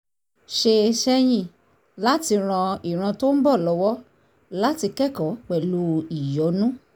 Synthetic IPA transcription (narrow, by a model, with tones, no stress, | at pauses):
ʃe˧ʃɛ˦˧j̃ĩ˦˨ | la˦ti˧ɾ̃ã˧i˨ɾ̃ã˧to˦n̩˦bɔ˦˨lɔ˧˦wɔ˦ | la˦ti˧kɛ˦˨kɔ˨˦k͡pɛ˨lu˦i˨jɔ˨˦nũ˦